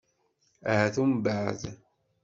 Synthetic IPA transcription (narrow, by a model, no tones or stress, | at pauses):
æhæθumbaʕð